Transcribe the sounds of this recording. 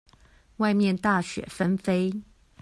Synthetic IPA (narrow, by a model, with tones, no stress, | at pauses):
wa˥˧ɪmjɛ˥˨nt̪a˥˩ɕɥɛ̰˨˩fə˦nfe˥ɪ